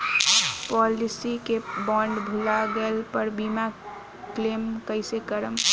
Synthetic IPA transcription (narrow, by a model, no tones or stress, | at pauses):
pɔlisikebɔɳɖbʱulaɡelpəɾbima | klemkəɪsekəɾəm